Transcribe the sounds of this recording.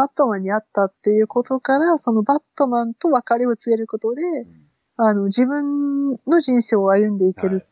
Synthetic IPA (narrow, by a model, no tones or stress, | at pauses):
at̪ːo̞mãɲ̟ːiat̪ːat̪ːe̞jɯ̟ko̞t̪o̞kaɾaso̞no̞bat̪ːo̞mãnt̪o̞βakaɾʲio̞t͡sɨɡe̞ɾɯ̟ko̞t̪o̞d̪e̞ | ano̞ʑibɯ̟̃nno̞ʑĩɰ̃se̞ːoajɯ̟̃nd̪e̞ike̞ɾɯ̟